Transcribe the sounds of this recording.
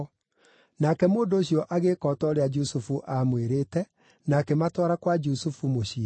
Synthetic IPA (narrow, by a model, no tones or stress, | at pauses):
nakɛmoːndoːɕjɔʔaɣekɔtɔɾead͡ʒusufuʔamweɾetɛ | naːkematɔɾakwad͡ʒusufumoɕi